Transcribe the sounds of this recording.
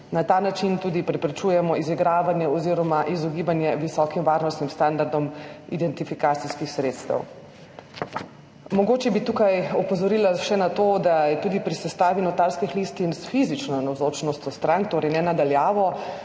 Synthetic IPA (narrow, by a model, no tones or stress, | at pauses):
nat̪aːnat͡ʃint̪uːd̪ipɾɛpɾɛt͡ʃuːjɛmɔiziɡɾaːʋanjɛɔziːɾɔmaʔizɔɡibanjɛʋisɔkimʋaːɾnɔst̪nimst̪and̪aɾd̪ɔmḭd̪ɛnt̪ifikaːt̪siskixsɾet̪st̪ə̰w | mɔɡoːt͡ʃɛbit̪ukajɔpɔzɔɾiːlaʃɛnat̪od̪ajɛt̪uːd̪ipɾisɛst̪aːʋinɔt̪aɾskixlist̪insfizit͡ʃnɔnawzoːt͡ʃnɔst̪jɔst̪ɾaŋk̚t̪oːɾɛjnɛnad̪aljaːʋɔ